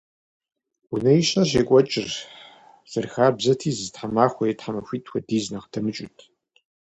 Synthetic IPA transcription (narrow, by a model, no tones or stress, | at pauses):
wʊnɐjiʃɐɕ̬eːkʷʼɔt͡ʃʼɪr | z̥ɨrxaːrbzɐtʰiːzɨztħamaːχʷɔjitħamɐxʷiːtʼʰxʷɐdiːznɐqtʰɐmɨt͡ʃʼʊ̰tʰ